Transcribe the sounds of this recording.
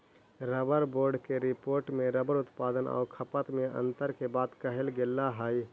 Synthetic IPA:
ɾəbəɾboːɾɖkeɾɪpoːɾʈmẽɾəbəɾʊt̪paːd̪ənɔ̰ːɾkʰəpət̪mẽʔə̰̃nt̪əɾkebaːd̪kəɦelɡɪlːaɦaːi

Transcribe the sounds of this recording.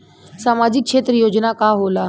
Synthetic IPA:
saːmaːd͡ʑɪk̚ʃʰeːt̪ɾəjoːd͡ʑnakaɦoːlaː

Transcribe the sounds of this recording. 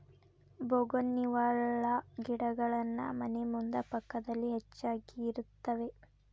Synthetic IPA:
boɡonːiʋaːɭɐɡiɽɐɡɐɭɐnːɐ̰mɐnemund̪ɐpɐkːɐd̪ɐlːiɦet͡ʃːaːɡiːɾut̪ːɐʋe̞

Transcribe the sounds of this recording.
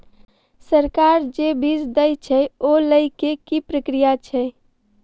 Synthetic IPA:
səɾkaɾd͡ʒebisd̪əjt͡ʃʰɛoləɪkekipɾəkɾijat͡ʃʰɛ

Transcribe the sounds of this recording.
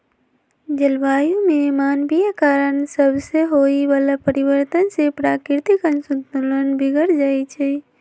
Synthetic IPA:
d͡ʒəlbajumemanbijakaɾənsəbʱseɦoibalapəɾibəɾt̪ənsepɾakiɾt̪ikənsunt̪ulənbiɡəɾd͡ʒajt͡ʃʰɛ

